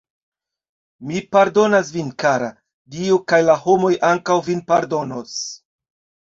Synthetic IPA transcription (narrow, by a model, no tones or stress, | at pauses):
mipaɾdo̞nas̬vinkaɾa̰ | diokajlaho̞mo̞jʔaŋkawvinpaɾdo̞no̞s